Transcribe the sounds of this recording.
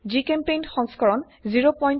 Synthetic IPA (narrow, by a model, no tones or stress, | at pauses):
d͡ʒikempejnxɔ̃ŋskɔɹɔn | ziɹopɔjn